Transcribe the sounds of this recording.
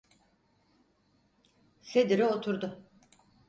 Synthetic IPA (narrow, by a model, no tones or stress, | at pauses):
sed̪iɾɛot̪ʰuɾd̪ʊ